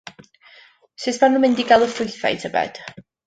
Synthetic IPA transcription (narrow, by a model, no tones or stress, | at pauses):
sɨsmanʊmɪndiɡalˠəfʊɨθa̰jtʰəbɛ̰d̥